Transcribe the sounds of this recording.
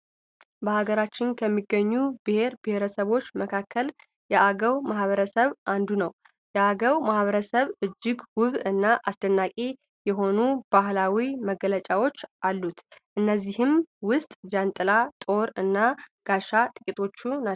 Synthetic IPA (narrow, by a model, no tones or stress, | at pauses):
bəhaɡəɾat͡ʃːɪnkʰəmːiɡːəɲːubɨhe̞ɾbɨhe̞ɾəsəβo̞t͡ʃːməkʰakʰːəl | jɛʔaɡəwmahβəɾəsəβʔand̪unəw | jɛaɡəwmahβəɾəsəβɨd͡ʒːɪɡwʊβɨnːaʔasd̪ənːakʼe | jɛɦo̞nubahlawiməɡələt͡ʃʼawot͡ʃːʔalːut̪ʔɨnːəzːihɨmwʊst̪ʼd͡ʒant̪ʼɨlat̪ʼo̞ɾɨnːaɡ̥aʃat̪ʼɨkʼit̪ʼʰo̞t͡ʃːuna